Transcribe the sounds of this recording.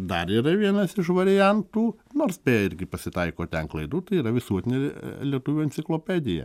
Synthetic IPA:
d̪ɐɾiːɾɐʋʲiɛnɐsɪʃʋɐɾʲɪjɛnt̪uːnoːrsbʲeːɪɾʲɡʲɪpɐsʲɪt̪ɐɪkoːt̪ʲɛnklˠɐɪd̪uːt̪ɐɪiːɾɐʋʲɪsuɔt̪ʲɪnʲelʲiɛt̪ʊʋʲuːɐnʲt̪sʲɪklˠoːpʲæːd̪ʲɪjɛ̰

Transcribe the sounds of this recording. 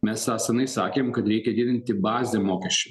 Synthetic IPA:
mʲɛsɑːsɐnɐɪsɑ̰ːkʲeːmkɐt̪ɾʲɛɪkʲɛd̪ʲɪd̪ʲɪnʲt̪ʲɪbɑːzʲeːmoːkʲɛʃʲt͡ʃʲɛ

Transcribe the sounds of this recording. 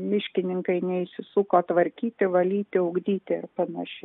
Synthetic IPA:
mʲɪʃʲkʲɪnʲɪŋkɐɪnʲɛɪʃʲsʲɪsuːkoːt̪ʋɐɾʲkʲiːt̪ʲɪʋɐlʲiːt̪ʲɪʊɡd̪ʲiːt̪ʲɪɪrpɐnɐʃʲɛ

